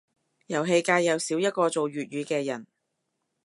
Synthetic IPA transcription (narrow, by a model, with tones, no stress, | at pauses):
jɐ˨˩wɦe˧jkaː˧jːɐ˨˧wsiː˨˥wjɐ˥t̚kɔː˧t͡so˨wɥyː˨t̚ɥyː˨˧kɛː˧jɐ˨˩n